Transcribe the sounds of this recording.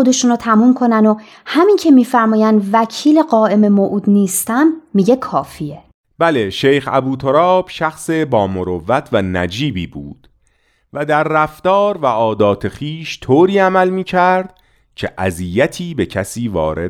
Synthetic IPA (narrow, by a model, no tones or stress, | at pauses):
od̪e̞ʃunot̪ʰæmuːmkʰo̞næno | hæmincʰe̞miːfæɾmɒːjænd̪væcʰiːle̞ɢɒːʔe̞me̞moʔuːd̪niːst̪æmːiɟe̞kʰɒːfie | b̥æleʃejxæ̰buːt̪ʰoɾɒːb̥ʃæxsebɒːmoɾovːæt̪ʰvænæ̰d͡ʒiːbiːbṵːd̪̥ | væd̪æɾːæft̪ɒːɾvæʔɒːd̪ɒːt̪ʰe̞xiːʃt̪ʰoːɾiːæmælmiːcʰæɾd̪̥ | cʰe̞̰ʔæziːjæt̪ʰiːbe̞cʰæsiːvɒ̰ːɾḛ